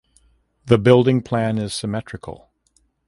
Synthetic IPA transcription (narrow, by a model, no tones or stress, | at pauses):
ðɨbɪlˠdɪ̃ŋpʰl̥æ̃nɪz̥sɨmɛt͡ʃɹ̥ɨkʰl̩ˠ